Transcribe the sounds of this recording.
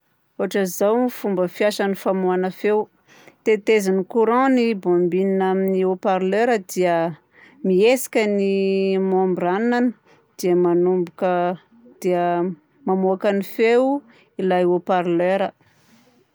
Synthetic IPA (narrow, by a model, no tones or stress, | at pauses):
oɦaʈ͡ʂəzawifumbəfiaʃənifamuanəfew | t̪et̪ezinikuɾɔ̃nibombininaminiopaɾløɾəd̪iə | miesi̥kʲənimombɾannanə | d̪̥iəmanumbukə | d̪̥iə | mamoakənifew | ilajopaɾløɾə